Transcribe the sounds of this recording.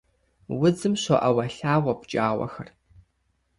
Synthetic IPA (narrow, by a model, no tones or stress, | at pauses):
wʊd͡zɨmɕʷɔʔɐwɐɬaːʁʷɐpt͡ʃʼaːwʷɐ̰xɐr